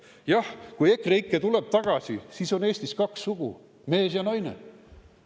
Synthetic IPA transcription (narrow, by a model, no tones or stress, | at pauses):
jɑhkuje̞kːreikːˑet̪ule̞b̥̚t̪ɑɡ̥ɑsisiso̞ne̞ːsʲt̪iskɑksːuɡ̥ṵ | me̞ːs̬jɑnɑjnḛ